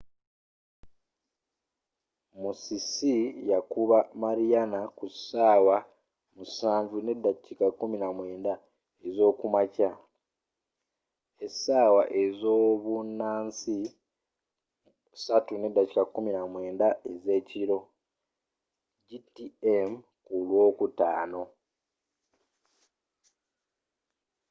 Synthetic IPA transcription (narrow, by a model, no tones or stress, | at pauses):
musisijakuβamaɾijanakusaːwa | musaːɱvune̞dːacikakːuminamwe̞ːnda | ezo̞ːkumaca | esaːwaʔe̞zoːβunːaːnsi | satune̞dːaci̥kakːuminamwe̞ːndaeze̞ːciɾo̞ | ɟitiem | kulwo̞ːkutaːno̞